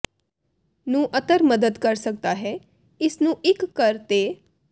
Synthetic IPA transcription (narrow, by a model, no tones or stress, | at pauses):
nũːʔət̪əɾməd̪əd̪kəɾsək̚d̪aːɦɛː | ɪsnũːʔɪkːəɾt̪eː